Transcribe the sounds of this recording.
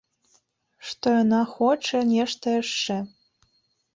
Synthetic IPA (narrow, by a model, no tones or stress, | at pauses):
ʃt̪ɤ̆nɑxot͡ʃĕnʲeʃt̪ĕʃːĕ